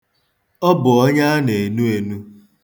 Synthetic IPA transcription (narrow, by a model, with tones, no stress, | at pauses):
ɔ˦bʊ˨ɔ˦ɲa˦ne˨nu˦e˨nu˦